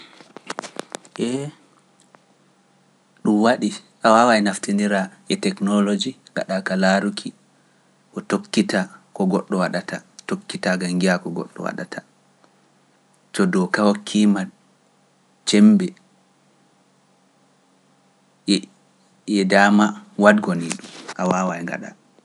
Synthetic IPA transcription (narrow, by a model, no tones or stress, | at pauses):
ʔɛ | ɗumwaɗiʔawawaɛnaftiniɾaʔɛtɛknɔlod͡ʒiɡa̰ɗakalaɾukʰi | kɔtokːitakɔɡɔɗːɔwaɗatatokːitaɡaŋɡiakɔɡɔ̰ɗːɔ̰wa̰ɗa̰tʰḁ | t͡ʃɔdɔkawɔkʰːima | t͡ʃɛmbɛ | jɛdamawadɡɔniɗumʔawawajŋɡa̰ɗa̰